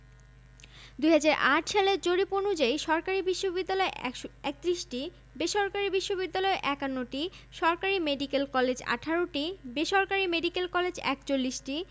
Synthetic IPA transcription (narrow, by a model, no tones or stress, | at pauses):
d̪ujɦad͡ʑaɾa̰ʈʰʃaleɾd͡ʑoɽipoonud͡ʑaiʃɔɾkaɾibiʃːobid̪ːalɔeɛk̚t̪ɾiʃʈi | beʃɔɾkaɾibiʃːobid̪ːalɔeʔɛkanːoʈiʃɔɾkaɾimeɖikelkɔled͡ʑa̰ʈʰaɾoʈibeʃɔɾkaɾimeɖikelkɔled͡ʑɛ̰kt͡ɕolːiʃʈi